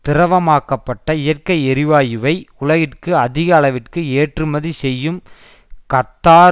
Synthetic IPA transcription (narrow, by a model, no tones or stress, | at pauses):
t̪ɪɾɐʋɐmaːkɐpːɐʈːɐɪjɐrkɐɪɛɾɪʋaːjɪʋɐɪʊɭɐɣɪʈkɯɐðɪɣɐːɭɐʋɪʈkɯeːʈrɯmɐðisɛjːɯm | kɐt̪ːaː